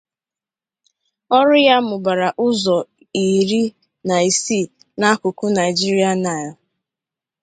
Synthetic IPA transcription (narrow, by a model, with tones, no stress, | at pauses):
ɔ˦ɾʊ˦ja˦mʊ˨ba˨ɾa˨ʔʊ˦zɔ˨ | i˨ɾi˦ | na˨i˨si˦˨ | na˦kʊ˨kʊ˦na˨ɪ˨d͡ʒi˦ɾi˦a˨na˨jɔ˨